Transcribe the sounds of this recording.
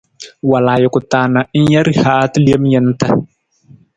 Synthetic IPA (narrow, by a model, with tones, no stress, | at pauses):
wa˨laː˨jʊ˨kʊ˨taː˨na˨˦n̩˦ja˦ɾi˦haː˦tli˦e˦m˦jɛ˦n˦ta˦